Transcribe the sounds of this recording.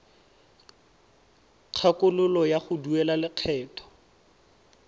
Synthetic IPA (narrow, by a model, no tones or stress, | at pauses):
q͡χʰakʊlʊlɔjaχʊduɛlalɪq͡χʰɛːtʰɔ̥